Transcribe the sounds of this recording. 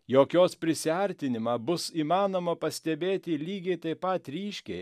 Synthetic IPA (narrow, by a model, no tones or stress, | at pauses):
joːkʲoːspʲɾʲɪsʲɪɐɾʲt̪ʲɪnʲɪmɑbʊsiːmɑːnoːmɐpɐsʲt̪ʲɛbʲeːt̪ʲɪlʲiːɡʲɛɪt̪ɐɪpɐt̪ɾʲiːʃʲkʲɛɪ